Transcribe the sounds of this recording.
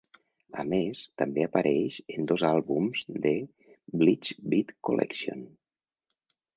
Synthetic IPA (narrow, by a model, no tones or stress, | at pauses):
ə̰mest̪əmbeapaɾʔɛʃənd̪ozalˠβumzd̪ə | blit͡ʃbit̪kolʔɛ̰ksio̰n